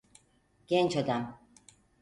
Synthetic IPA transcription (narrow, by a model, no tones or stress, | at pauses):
ɟ̥ɛnt͡ʃad̪am